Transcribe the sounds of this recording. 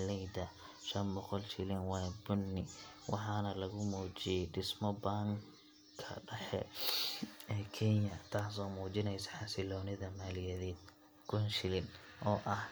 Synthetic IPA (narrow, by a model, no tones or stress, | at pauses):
lɛjd̪ɐ | ʃɐnbɔqɔlʃɪlɪnwɑːjbʊnːɪwʔɑ̰ħɑːnɐlɐɣʊmuːt͡ʃɪjɛjɖɪsmɔbaːŋ | kʰɐ̰ɖɐħɛ̰ | ɛːkʰɛnjɐt̪ʰaːs̬ɔːmuːt͡ʃɪnɛjsɐ̥ħɑsɪlɔːnɪðɐmaːlɪjɐðɛːd̪̚ | kʰʊnʃɪlɪnʔɔːʔɐh